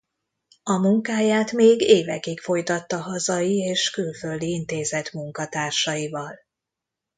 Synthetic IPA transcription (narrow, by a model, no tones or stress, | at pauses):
ɒmuŋkaːjaːt̪meːɡeːvɛkikfo̞jt̪ɒt̪ːɒɦɒzɒjieːʃkylfø̞ld̪iint̪eːzɛt̪muŋkɒt̪aːrʃɒjivɒl